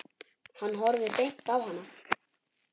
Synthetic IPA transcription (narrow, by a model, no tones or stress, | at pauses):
hanːɦɔɾðɪp̪ejm̥t̪awɦanːa